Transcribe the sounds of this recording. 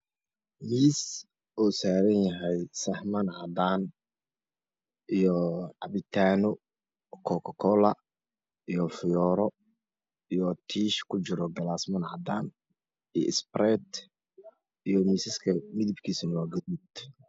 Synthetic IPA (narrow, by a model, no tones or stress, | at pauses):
miːs | ʔɔːsaːɾɐnjɐɦɛjsɐhmɐnʕɐd̪aːn | ijɔʕɑβɪt̪ʰaːnɔ | kʰɔkʰɔkʰɔlɐ | ijɔfɪjɔːɾɔ | ijɔt̪ʰiːʃkʰʊt͡ʃɪɾɔɡɐlaːsmɐnʕɐd̪aːn | ijɔ̰ʔɪsprɛt̪ | ijɔmiːsɪskʰɐmɪðɪbkʰiːsnwaːɡɐðud̪